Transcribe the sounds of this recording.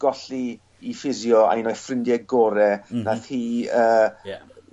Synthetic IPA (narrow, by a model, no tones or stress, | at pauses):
ɡ̥ɔɬi | ifɪzjɔa̰jnɔjfrɪndɛɡɔːɾɛnaθhiːəː